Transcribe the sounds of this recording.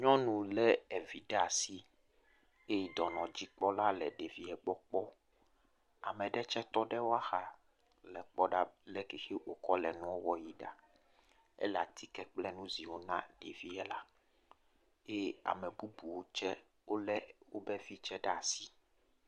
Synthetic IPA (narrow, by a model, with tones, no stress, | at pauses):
ɲɔ̃˦nũ˨lɛ˦ɛ˨vi˨ɖɛ˦a˨si˦ | e˦d̪ɔ˨nɔ̃˨d͡ʑi˦k͡pɔ˦la˦lɛ˨ɖe˨vi˨ɛ˨ɡ͡bɔ˦k͡pɔ˦ | a˨mɛ̃˨ɖɛ˦t͡ʃɛ˦t̪ɔ˦ɖɛ˦wo˦a˦xa˨ | lɛ˨k͡pɔ˦ɖa˦lɛ˦ke˨xe˦wo˨kɔ˦lɛ˨nũ˦wo˦wɔ˦ji˦ɖa̰˨ | ɛ̰˦la̰˨t̪ʰi˦kɛ˦k͡plɛ˦nũ˦zi˨wo˦nã̰˦ɖe˨vi˦ɛ˦la˦ | e˦a̰˨mɛ̃˨bu˦bu˨wo˦t͡ʃɛ˦ | wo˦lɛ˦wo˦bɛ˦vi˦t͡ʃɛ˦ɖɛ˦a˨si˦